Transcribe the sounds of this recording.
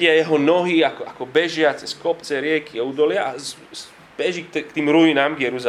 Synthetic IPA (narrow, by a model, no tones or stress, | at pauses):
ɪajɛɦɔnɔɦiakɔakɔbɛʒɪat͡sɛskɔpt͡sɛɾɪɛkʰiaud̪ɔlɪaʔazz | bɛʒikt̪ɛkt̪iːmɾuinaːmɡjɛɾuza